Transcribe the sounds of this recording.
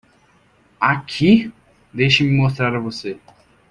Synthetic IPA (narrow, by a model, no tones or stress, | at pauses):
akʰi | d̪ejʃimimos̬t̪ɾaɾavose